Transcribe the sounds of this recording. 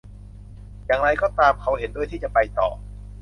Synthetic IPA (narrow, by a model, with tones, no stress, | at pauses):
jaː˨˩ŋɾa˧jkɔː˥˩t̪aː˧mkʰa˧wɦe˨˩˦ndu˥˩ət̪ʰiː˥˩t͡ɕa˨˩pa˧jt̪ɔ̰ː˨˩